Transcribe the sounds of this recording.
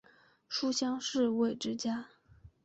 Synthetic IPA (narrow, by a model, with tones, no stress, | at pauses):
ʂu˥ɕjɑ˥ŋʂɻ̩˥˧we˥˩ɪʈ͡ʂɻ̩˥t͡ɕja˥